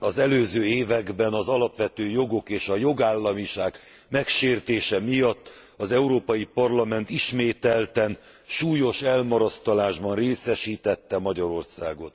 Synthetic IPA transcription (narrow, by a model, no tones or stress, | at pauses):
ɒzɛløːzøːeːvɛɡbɛnɒzɒlɒpʋɛt̪øːjo̞ɡo̞keːʃɒjo̞ɡaːlːɒmiʃaːɡ | mɛkʃeːrt̪eːʃɛmijɒt̪ː | ɒzɛuɾoːpɒjipɒrlɒmɛnt̪iʃmeːt̪ɛlt̪ɛn | ʃuːjo̞ʃɛlmɒɾɒst̪ɒlaːʒbɒnreːsɛʃiːt̪ɛt̪ːɛmɒɟɒɾo̞rsaːɡo̞t̪